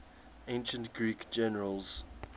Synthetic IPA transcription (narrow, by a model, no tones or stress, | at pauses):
ẽnʃə̃ntɡ̥ɹiːkd͡ʒɛnəɹəlˠz̥